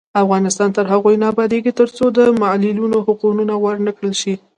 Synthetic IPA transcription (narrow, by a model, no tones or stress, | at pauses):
afɣɑnɪst̪ɑnt̪əɾɦaɣojnɑbad̪eɡit̪əɾt͡sod̪əmalɪlunohʊqununawəɾnəkɽəlʃi